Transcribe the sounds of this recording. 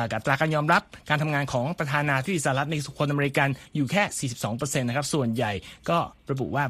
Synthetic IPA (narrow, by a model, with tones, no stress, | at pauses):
ka˨˩t̪ɾaː˧kaː˧njɔː˧mɾa˦˥p̚kaː˧nt̪ʰa˧ŋaː˧nkʰɔː˩˦ŋpɾa˧t̪ʰaː˧naː˧i˦˥˦d̪sa˧a˦˥t̪̚na˧su˨˩kʰo˧nʔa˧meː˧i˧˥ka˧njuː˨˩kʰɛː˥˩siː˨˩i˨˩p̚sɔː˩˦ŋp̬ɤː˧se˧nːa˦˥kʰa˦˥p̚su˨˩ənja˨˩jkɔː˥˩ɾa˧bṵ˨˩ʔwaː˥˩